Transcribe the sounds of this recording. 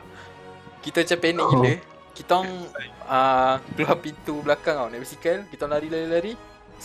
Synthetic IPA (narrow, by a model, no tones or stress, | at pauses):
kit̪ət͡ʃapɛnɛ̃ʔkit̪ə | kit̪ɔŋakəluɦampint̪ublakaŋawnɛʔbisikəlkit̪ɔŋlaɾilaɾilaɾi